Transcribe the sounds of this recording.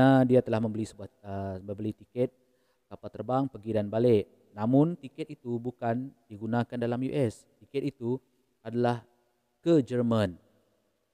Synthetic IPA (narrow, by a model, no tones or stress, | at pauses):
adiat̪əlahmə̃mbəlisəbuahəmə̃mbəlit̪ikɛt̪̚ | kapalt̪ərbaŋpəɡidanbalɪʔ | namʊnt̪ikɛt̪̚it̪ubukand̥iɡunãkandalamjṵʔɛs | t̪ikɛt̪̚it̪u | adalah | kəd͡ʒərmə̃n